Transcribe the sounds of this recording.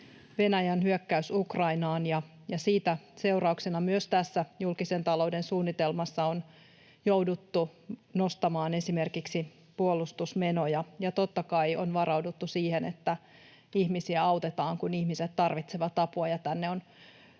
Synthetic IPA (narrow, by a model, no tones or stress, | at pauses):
ʋe̞næjænɦyøkːæysukrɑinɑːnjɑ | jɑsiːt̪æse̞uɾɑuksenɑmyøst̪æsːæjulkise̞nt̪ɑloudensuːnːit̪elmɑsːɑon | jowdut̪ːuno̞st̪ɑmɑːne̞sime̞rkiksi | puolust̪usme̞no̞jɑjɑt̪ot̪ːɑkɑionʋɑɾɑwdut̪ːusiːhenḛt̪ːæ | ihmisiæɑwt̪et̪ɑːŋkunihmiset̪t̪ːɑrʋit̪seʋɑt̪ɑpuɑjɑt̪ænːeon